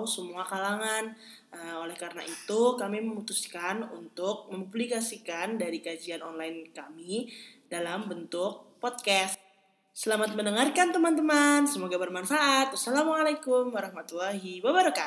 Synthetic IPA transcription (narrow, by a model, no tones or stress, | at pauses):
wsəmuakalaŋan | əolɛhkaɾənaʔit̪ukamiməmut̪uskanunt̪ʊk̚məmublikasikandaɾikad͡ʒianɔnlaɪnkamidalambənt̪ʊk̚pɔt̪̚kɛst̪̚ | səlamat̪̚məndəŋarkant̪əmant̪̬əmansəmoɡabərmanfaʔat̪̚wasalamalajkʊmwaɾahmat̪ulaɦiwabəɾaka